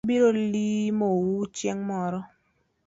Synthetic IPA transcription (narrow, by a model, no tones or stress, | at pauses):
biɾolimowut͡ʃjeŋmɔɾɔ